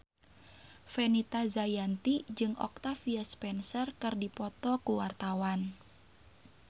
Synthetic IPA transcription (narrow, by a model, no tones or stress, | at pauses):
fɛnit̪azajant̪id͡ʒɨŋʔɔ̰k̚t̪afiaspɛnsərkɨrdipɔt̪ɔkuwart̪awan